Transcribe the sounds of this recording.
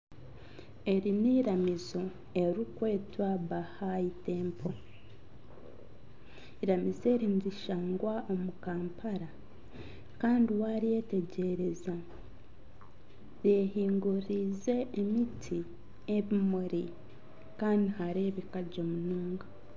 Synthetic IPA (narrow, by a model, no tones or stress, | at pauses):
e̞ɾiniːɾamizo̞ | e̞ɾikwe̞ːtwaβahaite̞ːmpʰo̞ | iɾamize̞ːɾindiʃaːŋɡwaʔo̞mukaːmpaɾa | kaːndiwaɾije̞te̞ɟe̞ɾe̞za | ɾjehiːŋɡuɾize̞ːmitʰi | eβimuɾi | kaːndihaɾeːβikaɟomunuːŋɡa